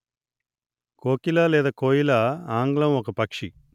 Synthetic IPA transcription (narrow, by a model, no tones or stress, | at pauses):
koːkilaːlɛːd̪ɐːkoːjilaaːŋɡlɐmɔkɐpɐkʂi